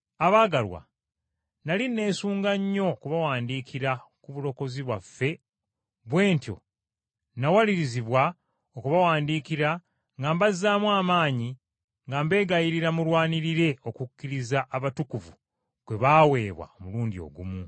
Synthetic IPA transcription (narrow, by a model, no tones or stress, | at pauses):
aβaːɡalwa̰ | nalinːe̞ːsuːŋɡaɲːo̞kuβawaːndiːkʰiɾakuβulo̞ko̞ziβwafːe̞ | βwe̞ːntjo̞̰ | nawaliɾiziβwa | okuβawaːndiːkiɾa | ŋɡambazaːmwaːmaːɲi | ŋɡambe̞ːɡajiɾiɾamulwaːniɾiɾe̞o̞kukːiɾizaʔːβatukuvu | kwe̞βaːwe̞ːβwa̰omuluːndio̞̰ɡṵmu